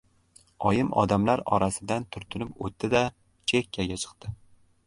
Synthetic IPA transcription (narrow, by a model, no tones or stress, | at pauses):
ɒjɪmʔɒ̰d̪amlaɾɒɾasɪd̪ant̪ʰʊɾt̪ʰʊnɪpot̪ːɪd̪a | t͡ʃʰekʲʰːaɡʲat͡ʃʰɨ̥qt̪ɪ